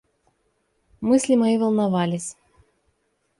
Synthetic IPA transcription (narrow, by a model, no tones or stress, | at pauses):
mɨsʲlʲɪmajivɐlˠnɐvalʲɪsʲ